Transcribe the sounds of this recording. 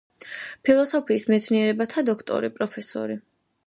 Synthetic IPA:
pʰilˠɔsɔpʰiːsmɛt̪sʰniɛɾɛbat̪ʰad̪ɔkʰt̪ʼɔ̰ɾipʼɾɔpʰɛsɔ̰ɾi

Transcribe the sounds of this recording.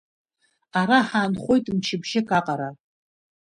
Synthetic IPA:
aɾaħaːnχʷo̞jtʼmt͡ʃʰɪbʒɪkʼaqʼaɾa

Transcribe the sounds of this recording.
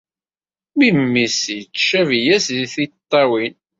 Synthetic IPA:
mimːisjt͡sːt͡ʃʃævjæsðiθit̪ˤːɑwin

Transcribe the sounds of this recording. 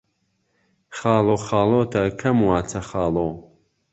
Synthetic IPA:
χaːloːxaːloːt̪ʰɐkʰɐmwaːt͡sʰɐχaːloː

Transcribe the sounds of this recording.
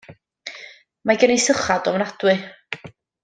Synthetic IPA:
maɡənisəχadɔmnad̥wɨ

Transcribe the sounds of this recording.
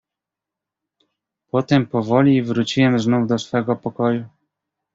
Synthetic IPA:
pɔt̪ɛmpɔvɔlʲivɾut͡ɕiwɛmznuvd̪ɔsfɛɡɔpɔkɔju

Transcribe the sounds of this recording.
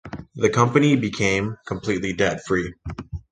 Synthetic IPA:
ðɨkʰʌ̃mpɨnibɨkʰẽɪ̃mkʰə̃m̩pʰl̥itˡlidɛd̥fɹi

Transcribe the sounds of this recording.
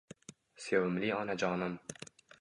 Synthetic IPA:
sewɪmliɒnad͡ʒɒːnɪm

